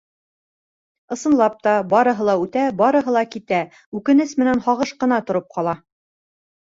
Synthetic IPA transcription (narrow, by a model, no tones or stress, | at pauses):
ɤ̆sɤ̆nlˠɑp̚t̪ɑbɒɾɤ̆ɦɤ̆lˠɑʉt̪æbɒɾɤ̆ɦɤlˠɑkit̪æ | ʉkɘ̆nɘsmɘ̆nænhɑʁɤʃqɤ̆nɑt̪ŏɾɤp̚qɑlˠɑ